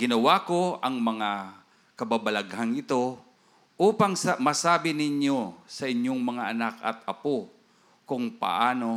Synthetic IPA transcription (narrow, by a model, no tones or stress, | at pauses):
ɡɪnɐwako̞ʔɐŋmɐŋa | kɐbabɐlaɡɦaŋɪt̪o̞ | ʔuːpɐŋsɐmɐsaːbɪnɪɲjosɐʔɪɲjo̞ŋmɐŋaʔɐnakɐ̰t̪̚ɐpo | kʊŋpɐ̰ʔaːno̞